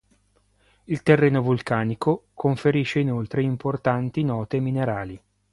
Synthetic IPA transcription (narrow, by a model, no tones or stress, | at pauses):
ilt̪erːeːnovulkaːnikokoɱfeɾiʃːeinolt̪ɾeimport̪ant̪inɔːt̪emineɾaːli